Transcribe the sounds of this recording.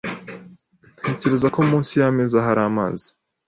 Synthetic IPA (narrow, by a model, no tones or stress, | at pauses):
heːce̞ɾe̞zako̞mũːnsijamezaɦaɾaːma̰ːzi̥